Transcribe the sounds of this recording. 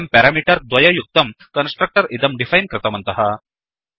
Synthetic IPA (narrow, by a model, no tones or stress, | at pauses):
mpɛɾamiːʈɐɾd̪ʋɐjɐjuk̚t̪ɐmkɐnsʈɾɐk̚ʈɐɾʔid̪ɐmɖifajnkɾɪt̪ɐmɐnt̪ɐɦɐ